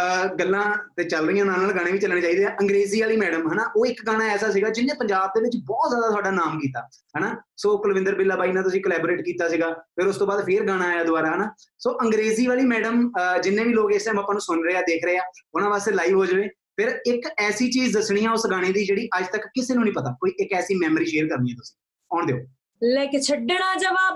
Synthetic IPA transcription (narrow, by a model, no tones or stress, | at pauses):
ɡəlːãːt̪eːt͡ʃəlɾəiːãːnãːnaːlɡaːɽ̃ẽːʋiːt͡ʃəlnẽːt͡ʃaːiːd̪eːaːʔəŋɡɾeːziːʋaːliːmɛːɖəmɦənaːʔoːɪkɡaːɽ̃ãːɛːsaːs̬iːɡaːd͡ʒɪnːẽːpəɲd͡ʒaːb̚d̪eːʋɪt͡ʃbɔːt̪zjaːd̪aːt̪ʊwaːɖaːnaːmkiːt̪a̰ː | ɦɛnaːsoːkəlʋɪ̃nd̪əɾbɪlːaːbaːiːnãːt̪ʊsĩːkəlɛːbɾeːʈkiːt̪aːsiːɡaːpʰɪɾʊst̪õːbaːd̪pʰɪɾɡaːɽ̃ãːaːjaːd̪ʊaːɾaːɦənaː | soːʔəŋɡɾeːziːʋaːliːmɛːɖəmd͡ʒɪnːẽːʋiːloːkɪsẽməpaːnũːsʊnɾəeːaːd̪eːkʰɾəeːaːʊnãːʋaːst̪eːlaːiːʋɦoːd͡ʒʋeː | pʰɪɾɪkɛːsiːt͡ʃiːzd̪əsɽ̃iːãːʊsɡaːɽ̃ẽːd̪iːd͡ʒeːɽiːʔəd͡ʒt̪əkːɪseːnũːnĩːpət̪aːkoːiːʔɪkɛːsiːmɛːməɾiːʃeːɾkəɾniːɛːt̪ʊsĩ̥ | ɔːɳd̪eːo̰ː | lɛːkɪt͡ʃʰəɖeɽaːd͡ʒəʋaːb